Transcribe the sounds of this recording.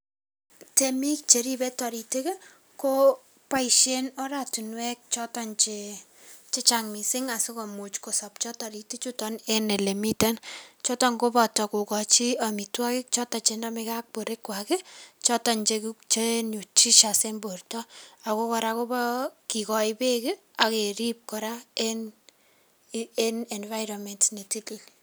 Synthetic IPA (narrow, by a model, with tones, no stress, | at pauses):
te˦mi˦k̚t͡ʃe˨ɾi˦bɛ˦tɔ˨ɾi˨te˦ke˦ | ko˦ | pa˦iʃe˦nɔ˦ɾa˨tu˨nwɛ˦k̚t͡ʃɔ˦tɔ˦nt͡ʃe | t͡ʃe˦t͡ʃaŋmi˨sɪ˦ŋa˨sɪ˦kɔ˨mu˨t͡ʃko˨sɔ˨p̚t͡ʃɔ˦tɔ˨ɾi˨te˦t͡ʃu˦tɔnɛ˦nɛ˨le˨mi˦ta˦nt͡ʃɔ˦tɔ˦ŋko˦pɔ˨tɔ˨ko˨kɔ˨t͡ʃi˦a˨mi˨twa˦kɪ˦k̚t͡ʃɔ˦ta˨t͡ʃendɔ˦meka˦k̚po˨ɾe˦kwa˨kɪ˦t͡ʃɔ˦tɔ˨nt͡ʃe˧kt͡ʃe˦nu˨t͡ʃi˦ʃa˨se˦mbo˨rtɔ˦a˨ko˦kɔ˧ɾako˦bɔ˦ki˨kɔ˨jpe˦kɪ | a˨ke˨ɾi˦p̚kɔ˦ɾaen | enɛ˨nva˦jɾɔ˨mɛ˨ntne˨ti˦ti˦l